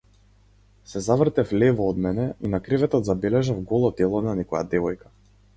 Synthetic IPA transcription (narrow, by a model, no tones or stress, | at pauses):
sɛzavr̩t̪ɛflɛvɔːd̪mɛnɛinakɾivɛt̪ɔt̪zabɛlɛʒafɡɔlˠɔt̪ɛlˠɔnanɛkɔja̰d̪ɛvɔjkḁ